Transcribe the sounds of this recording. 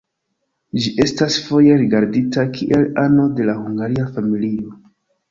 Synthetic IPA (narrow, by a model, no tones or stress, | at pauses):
d͡ʒiʔe̞stasfo̞je̞ɾiɡaɾditakʰiʔe̞lano̞de̞lahuŋɡaɾiafamilio̞